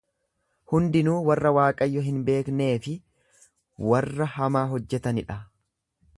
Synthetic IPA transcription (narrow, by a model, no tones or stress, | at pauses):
hʊnd̪ɪnuːwɐrːɐwaːkʼɐjːɔɦɪnbe̞ːkne̞ːfɪ | wɐrːɐhɐmaːɦɔd͡ʒːɛt̪ɐnɪᶑɐ